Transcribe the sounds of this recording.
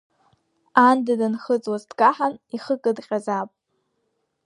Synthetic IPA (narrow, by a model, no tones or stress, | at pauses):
andadanχət͡sʼwazdɡaħaniχəkʼɨdqʲʼazapʼ